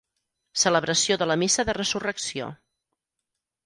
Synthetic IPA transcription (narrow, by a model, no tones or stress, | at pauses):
sələβɾəsioðələmisəðərəzurəksio̰